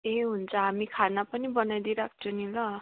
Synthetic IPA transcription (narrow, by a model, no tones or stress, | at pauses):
eɦunt͡sʰʌɦamikʰanapʌnibʌnajd̪iɾak̚t͡sʰunilʌ